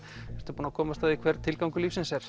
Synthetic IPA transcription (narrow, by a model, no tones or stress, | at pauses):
ɛɾt̪ʏɾpuːnakʰɔːmast̪aðikʰvɛɾt̪ʰɪlkawŋkʏliːfsɪnsɛɾ̥